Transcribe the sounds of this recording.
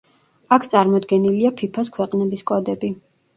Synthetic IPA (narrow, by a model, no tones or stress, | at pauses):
akʰt̪sʼaɾmɔd̪ɡɛniliapʰipʰas̬kʰwɛqʼnɛbiskʼɔd̪ɛbi